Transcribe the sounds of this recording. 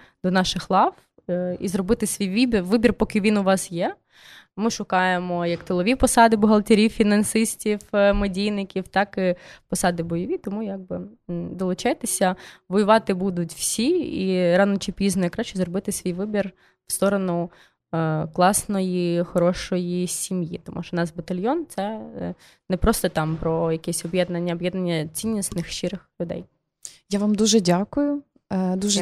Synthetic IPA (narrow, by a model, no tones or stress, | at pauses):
d̪̥ɔnɑʃɪxlˠɑʋ | izrɔbɪt̪ɪsʲʋʲijʋibʲirʋɪbʲirpɔkɪʋʲinʊʋɑsjɛ | mɪʃʊkɑjemɔjɐkt̪ɪlˠɔʋʲipɔsɑd̪ɪbɔɦɐlˠt̪ʲeɾʲiwfʲinɐnsɪsʲtʲiwmɔdʲijnɪkʲiwt̪ɑkɪpɔsɑd̪ɪbɔjɔʋʲit̪ɔmujɑɡ̚bɪd̪ɔlˠʊt͡ʃɑjt̪esʲɐʋɔjʊʋɑt̪ɪbud̪ʊtʲw̥sʲiiɾɑnɔt͡ʃipʲiznɔjikɾɑʃt͡ʃːʊzrɔbɪt̪ɪsʲʋʲijʋɪbʲir | w̥st̪ɔɾɔnʊ | klˠɑsnɔjixɔɾɔʃɔjisʲimjit̪ɔmʔuʃɔnɑsbɐt̪ɐlʲjɔnt̪sɛ | nɛpɾɔst̪ɔt̪ɑmpɾɔjɐkɛsʲɔbjɛd̪nɐnʲːɐɔbjɛd̪nɐnʲːɐt͡sʲinʲːisnɪxʃt͡ʃɪɾɪxlʲʊd̪ɛ̰j | jaʋamd̪uʒɛdʲakʊjʊ | d̪uʒɛ